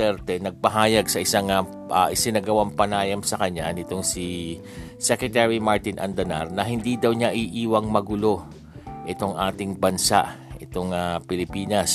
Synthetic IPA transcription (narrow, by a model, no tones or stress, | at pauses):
ɛɾt̪ɛnɐɡ̚pɐɦaːjɐɡsɐʔɪsaŋɐ | ʔaʔɪsɪnɐɡɐwampɐnaːjɐmsɐkɐɲːanɪt̪o̞ŋsi | sɛkɹɛt̪ɛɹimaɹt̪ɪnʔɐ̰nd̪ɐna̰ɾnɐɦɪnd̪id̪ɐwɲaʔiʔiːwɐŋmɐɡʊlo̞ | ʔɪt̪o̞ŋʔaːt̪ɪŋbɐnsa̰ʔʔɪt̪o̞ŋapɪlɪpiːnɐs